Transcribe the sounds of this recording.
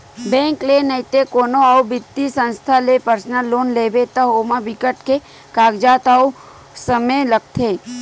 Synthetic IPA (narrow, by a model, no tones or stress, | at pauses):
bẽŋklenəit̪ekoːnoawbɪt̪ːisə̃nst̪ʰalepəɾsnəlːoːnleːbet̪aɦoːmãʋɪkəʈke | kaːɡd͡ʒaːt̪au | səmelək̚t̪ʰeː